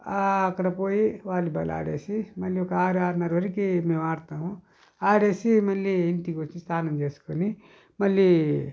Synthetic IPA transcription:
akɾɐpoiwaːlibɐla̰ːɽḛsimɐliokaːɾaːɾnɐɾɐɾikemẽwaːɾt̪aɦũ | aːɽesimɐliinʈiɡot͡ʃʰĩst̪ʰaːnɐnd͡ʒeskoli | mɐli

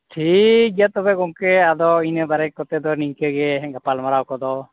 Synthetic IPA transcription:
ʈʰikjat̪ɔbɛkɔŋkɛad̪ɔinəbaɾɛkːɔt̪ɛd̪ɔniŋkeɡɛɡapalmaɾawkɔd̪ɔ

